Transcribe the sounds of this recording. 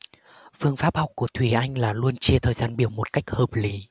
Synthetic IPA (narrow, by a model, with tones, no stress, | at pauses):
fɨ˧əŋfaː˦˥p̚hɔ˨˩wk͡p̚kːu˧˩ət̪ʰwi˧˩ʔa˧jŋ̟laː˨˩lu˧ənt͡ɕi˧t̪ʰəː˨˩jzaː˧nɓi˧˩əwmo˨˩t̚ka˦˥jk̟̚həː˨˩p̚li˨˦